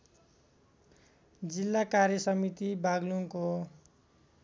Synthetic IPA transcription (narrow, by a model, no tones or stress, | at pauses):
d͡zilːakarjʌsʌmit̪ibaɡluŋko